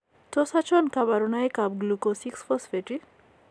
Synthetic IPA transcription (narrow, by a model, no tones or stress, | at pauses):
tɔsat͡ʃɔnkabaɾunajkap̚ɡlukosiksfɔsfeʈi